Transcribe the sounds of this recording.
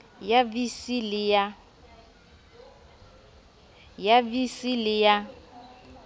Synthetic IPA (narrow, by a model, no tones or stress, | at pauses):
jabisilɪja | jabisilɪja